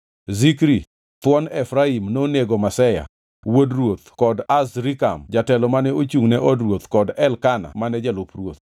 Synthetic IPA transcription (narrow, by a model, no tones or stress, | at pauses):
zikɾi | t̪wɔnɛfɾaimnoneɡɔmasɛja̰ | wodɾwot̪kɔdasɾika̰md͡ʒatɛlɔmanɛot͡ʃuŋnɛʔɔdɾwot̪kɔdɛlkana̰manɛd͡ʒɛlʊprwot̪̚